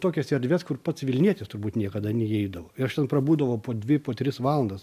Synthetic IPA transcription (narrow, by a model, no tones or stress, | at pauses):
t̪oːkʲɛsɛɾʲdʲʋʲɛskʊrpɐt̪sʋʲɪlʲnʲiɛt̪ʲɪst̪ʊɾbuːt̪nʲiɛkɐd̪ɐnʲɛɛɪd̪ɐʋoːɪɐʃt̪ʲɛnpɾɐbuːd̪ɐʋoːpoːdʲʋʲɪpoːt̪ʲɾʲɪsʋɑːlˠɐnd̪ɐs